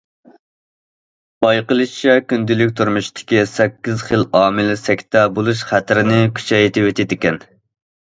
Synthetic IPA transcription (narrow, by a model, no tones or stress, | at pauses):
b̥ɑjqəlˠɨʃt͡ʃʰɛkʲynd̪ylɪkʲt̪ʰuɾmuʃt̪ʰɪ̥kʲisɛkʲːizχəlɑːmɪlɪsɛkʲt̪ɛbolˠuʃχæt̪ɾɪnɪkʲʰy̥t͡ʃʰɛjt̪ʰɪwet̪ɪd̪ɪkʲɛn